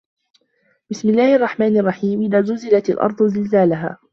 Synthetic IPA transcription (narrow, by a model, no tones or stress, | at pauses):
b̥ɪsmɪlːaːhʔɑrˤːɑħmaːnɑrˤːɑħiːmʔɪðaːzʊzɪlat̪a̰lʔɑ̰ɾˤd̪ˤʊzɪlzaːlaɦa̰ː